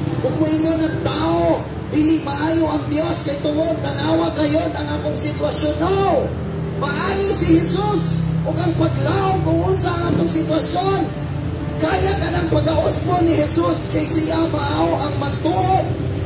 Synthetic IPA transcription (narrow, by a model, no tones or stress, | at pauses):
t̪ʊmʊʔɪŋonɐŋt̪aːʔo | d̪ilɪmɐʔaːjoʔɐŋd̪joskajt̪ʊŋodnɐɡaːwaɡajonɐŋʔaːt̪oŋsɪt̪wɐsjono | mɐʔaːjosɪhɛsusʔʊɡɐŋpaɡlaoŋkʊŋʔʊnsaʔɐŋʔaːt̪oŋsɪt̪wɐsjon | kaːjakɐnɐŋpɐɡaʔʊsbonɪhɛsuskajsɪjamaʔaoʔɐŋmɐnt̪uʔo